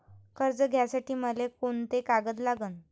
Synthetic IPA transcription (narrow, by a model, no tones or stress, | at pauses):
kəɾd͡zəɡʱjasaʈiːməlekont̪ekaɡəd̪laɡən